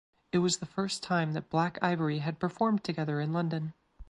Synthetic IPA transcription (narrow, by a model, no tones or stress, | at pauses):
ɨt̚wʌzðɨfɜ˞stʰãɪ̃mðɨt̚b̥lækʰa̰ɪvə˞iɨd̚pʰə˞fɔɹmtʰɨɡɛðə˞ɨ̃nlʌ̃ndɨ̃n